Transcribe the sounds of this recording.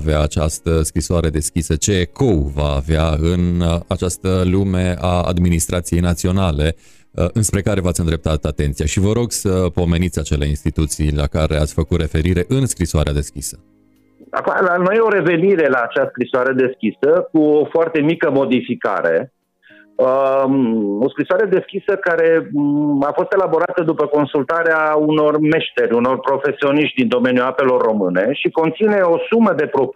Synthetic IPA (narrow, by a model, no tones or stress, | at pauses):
veaːt͡ʃast̪əskɾisoaɾe̞d̪e̞skʲisət͡ʃe̞ko̞wvaːveaɨnat͡ʃast̪əlume̞aa̰d̪minist̪ɾʔat̪sije̞jnat̪sio̞nale̞ | ɨnspɾe̞kaɾe̞vat̪sʲɨnd̪ɾe̞p̚t̪at̪at̪e̞nt̪sijaʃivəɾo̞ɡsəpo̞me̞nit̪sʲat͡ʃe̞le̞inst̪it̪ut̪sijlakaɾe̞at̪sʲfəkut̪re̞fe̞ɾiɾe̞ʔɨnskɾisoaɾead̪e̞skʲisə̥ | a̰kua̰lanojeo̞ɾe̞ve̞niɾe̞laːt͡ʃaskɾisoaɾe̞d̪e̞skʲisəkuofoart̪e̞mikəmo̞d̪ifika̰ɾe̞ | o̞skɾisoaɾe̞d̪e̞skʲisəkaɾe̞ | afo̞st̪e̞labo̞ɾat̪əd̪upəko̞nsult̪aɾeauno̞rme̞ʃt̪e̞ɾʲuno̞rpɾo̞fe̞sio̞niʃt̪̚ʲd̪ind̪o̞me̞njuape̞lo̞rːo̞mɨne̞ʃiko̞nt̪sine̞o̞suməd̪e̞pɾo̞p